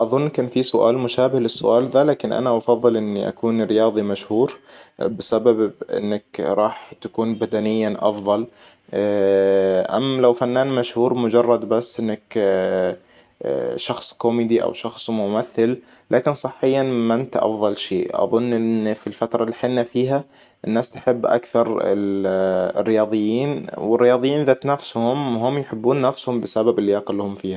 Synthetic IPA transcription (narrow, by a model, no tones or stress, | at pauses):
ʔɑðˤʊnːkaːnfisʊʔa̰ːlmʊʃaːbɪhlɪsːʊ̰ʔaːlðalaːkɪnʔa̰naʔɑfɑðˤːɨlʔɪnːiʔa̰kuːnɾɪjɑːðˤimaʃhuːɾbɪsababʔɪ̰nːakɾˤɑːħt̪akuːnbad̪anɪjːaʔɑfðˤɑl | ʔa̰mːlawfanːaːnmaʃhuːɾmʊd͡ʒɑrˤːɑd̪basːʔɪnːak | ʃɑxsˤkomiːd̪iʔa̰wʃɑxsˤmʊmaθːɪl | lʔaːkɪnsˤɨħːɪjːanmant̪ʔɑ̰fðˤɑlʃeːʔʔɑ̰ðˤʊnːʔɪnfilfat̪ɾˤɑlːiħɪnːafiːɦa | ʔɪnːaːst̪ħɪbːʔa̰kθɑɾˤɪ̰lɪ̰rːɪjɑːðˤɨjːiːnwɪrːɪjɑːðˤɨjːiːnʔɪðat̪nafshʊmwhʊmjħɪbːuːnːafshʊmbɪsababɪlːjaːqɪlːhʊmfiːha